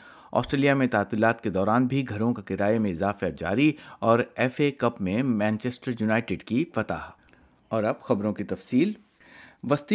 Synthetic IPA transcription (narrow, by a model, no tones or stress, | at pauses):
ɔ̰ːsʈɾeːlijamẽt̪aːt̪ilaːt̪ked̪ɔːɾaːnbʱiɡʱɐɾõkakɪɾaːemẽɪzaːfad͡ʒa̰ːɾiɔːɾɛːfekɐpmẽmɛ̃ːnt͡ʃɛsʈəɾjunaːɪʈɪɖkifɐt̪a̰ːɦ | ɔːɾɐbxɐbɾõkit̪ɐfsiːl | ʋɐst̪i